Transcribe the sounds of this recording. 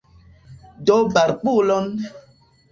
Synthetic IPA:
dobaɾk͡pulɔn

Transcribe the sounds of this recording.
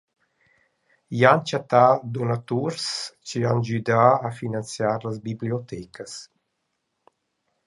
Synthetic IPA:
jant͡ʃat̪ad̪ɔnat̪uɾst͡ʃiand͡ʒyd̪aːfinant͡sjaːɾlazbibliɔt̪ɛkəs

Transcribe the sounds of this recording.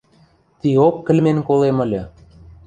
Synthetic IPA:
t̪iokːə̆lmenkolemə̆lʲɤ̆

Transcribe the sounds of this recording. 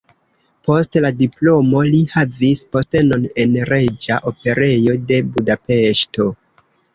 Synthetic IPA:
po̞stladiplo̞mo̞lihavispo̞steno̞ne̞nɾe̞d͡ʒaʔo̞pe̞ɾe̞jo̞de̞budape̞ʃto̞

